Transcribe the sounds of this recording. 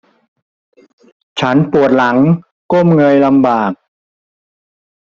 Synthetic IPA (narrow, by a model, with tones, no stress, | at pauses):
t͡ɕʰa˦˥npu˨˩ət̪̚la˩˦ŋ | ko˥˩mŋɤ˧jla˧mbaː˨˩k̚